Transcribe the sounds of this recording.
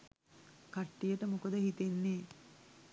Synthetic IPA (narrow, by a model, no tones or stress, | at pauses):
kaʈːijəʈəmukəd̪əhit̪enːeː